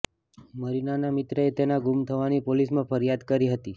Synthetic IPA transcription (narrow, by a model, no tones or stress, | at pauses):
məɾinanamɪt̪ɾəet̪enaɡumt̪ʰəʋanipolismãfəɾijad̪kəɾiɦət̪i